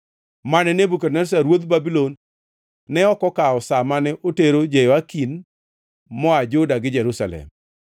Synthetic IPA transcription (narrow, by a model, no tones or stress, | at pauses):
manɛnebukɛrnɛɾsaɾwod̪babilonː | ɛɔkɔkaɔsamanɛʔoteɾod͡ʒejɔakin | mɔad͡ʒʊdaɡɪd͡ʒɛɾusa̰lɛ̰m